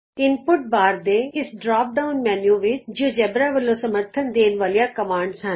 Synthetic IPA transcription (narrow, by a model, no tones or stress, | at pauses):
ɪnpʊʈ̚baːɾd̪eɪsɖɾaːp̚ɖaːʊnmɛːnjuʋɪt͡ʃd͡ʒiõd͡ʒɛbɾaʋəlːosɐməɾt̪ʰənd̪eːnʋalijakɐmaːɳɖsɐn